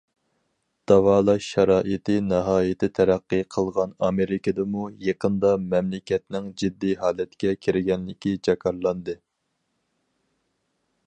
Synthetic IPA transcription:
d̪̥ɑwɑːlˠɑʃːɑɾɑːʔɨt̪ɨnɑɦɑːjɪt̪ʰɪt̪ʰɛɾæqːɨqʰəlˠʁɑnɑmeɾɪkʰɪd̪ɨmujeqʰənd̪ɑmɛmlɪkʲʰɛt̪nɪŋd͡ʒid̪ːiɦɑːlɛt̪kʲɛkʲʰiɾɪɡʲɛnlɪkʲid͡ʒɑkʰɑɾlˠɑnd̪ɨ

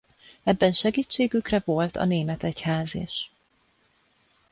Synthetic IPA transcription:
ɛbːɛnʃɛɡiːt͡ʃːeːɡykrɛvo̞lt̪ʰɒ̰neːmɛt̪ɛchaːzḛːʃ

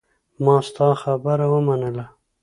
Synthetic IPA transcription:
mɑst̪ɑxabəɾawəmanəla

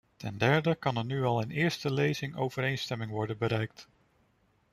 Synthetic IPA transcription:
tɛndɛɹdəkɑnɛɹnyɑlˠɪnɪːɹstəlejzɪŋowvəɾejnstɛmɪŋʋɔɹdənbəɾɛjk̚t

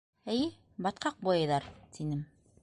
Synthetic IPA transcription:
æjɘ | bɑt̪̚qɑq̚bujɤjðɑɾt̪ʰinɘm

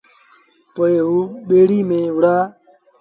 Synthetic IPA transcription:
poːeːɦuːɓeːɽiːmẽːɦʊɽaː

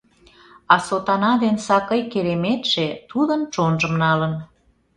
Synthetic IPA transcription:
ɑsot̪ɑnɑd̪ensɑkəjkeɾemet̪ʃet̪ud̪ənt͡ʃonʒəmnɑlən

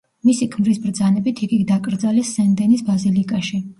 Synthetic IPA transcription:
misikʰmɾisbɾd̪zanɛbit̪ʰiɡiɡd̪akʼɾd̪zalɛsːɛnd̪ɛnisbazilikʼaʃi

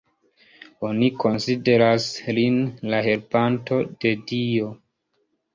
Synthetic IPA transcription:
o̞niko̞nsideɾaslinlahe̞ɾpanto̞d̥e̞dio̞

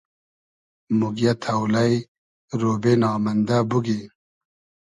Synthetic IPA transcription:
muɡjat̪ʰawlaj | ɾoːbenɑːmɐnd̪abuɡi

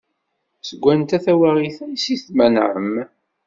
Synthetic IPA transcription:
səɡʷːænt̪æθæwæʁiθæjsiθmænʕə̰m

